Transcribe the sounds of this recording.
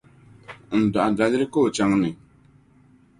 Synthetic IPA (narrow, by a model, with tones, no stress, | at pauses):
n̩˨da˨ʔa˨da˨lɪ˦ɾɪ˦ko˦˨t͡ʃa˦ŋnɪ˨